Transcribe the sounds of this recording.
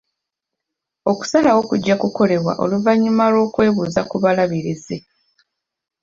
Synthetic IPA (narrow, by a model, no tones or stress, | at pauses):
o̞ku̥salawo̞kuɟːakuko̞le̞βwa̰ʔo̞̰luvaɲːimalwo̞ːkwe̞ːβuːzakuβalaβiɾize̞